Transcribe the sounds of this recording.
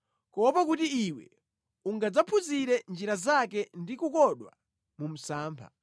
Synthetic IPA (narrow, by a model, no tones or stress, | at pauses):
kɔwɔpakutiːwɛ̰ | uŋɡad͡zapʰuziɾɛnd͡ʒiɾazakɛndikukɔɗwa̰ | mum̩saːmpʰa̰